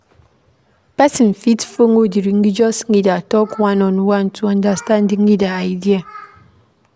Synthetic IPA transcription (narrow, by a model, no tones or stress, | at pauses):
pasin̩fitfoŋodiɾiŋ̩ɡid͡ʒɔsŋ̩idatɔkwanɔnwan̩tʰuandastandiŋ̩idaaidia